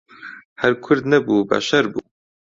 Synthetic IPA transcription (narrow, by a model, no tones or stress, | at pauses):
hæɾkʰʊɾd̪nɛbuːba̰ʃɐɾbuː